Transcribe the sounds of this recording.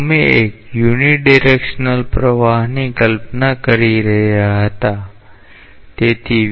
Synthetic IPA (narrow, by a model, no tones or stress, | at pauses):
mẽekjuniɖiɾekʃnəlpɾəʋaɦnikəlpnakəɾiɾəɦjaɦət̪a | t̪et̪ʰi